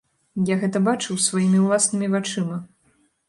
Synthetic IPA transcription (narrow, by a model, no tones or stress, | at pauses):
jaɣɛt̪ɐbat͡ʂɨwsvajimʲiwlˠasnɨmʲivat͡ʂɨmɐ